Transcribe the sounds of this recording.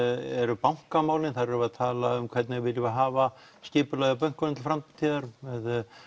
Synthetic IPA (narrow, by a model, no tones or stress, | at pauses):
ɛɾʏpawŋ̥kamaːwlɪnθaɾɛɾʏaðt̪ʰaːlaʏmkʰv̥ɛt̪nɪɣvɪljɪvaɦaːva | scɪːpʏlaɣðap̬œn̥knt̪ɪlfɾamt̪t̪ʰiːðaɾmɛð